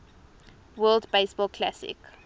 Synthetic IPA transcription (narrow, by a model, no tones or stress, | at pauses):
wɜːldbesbɔlˠkʰla̰sɪ̰k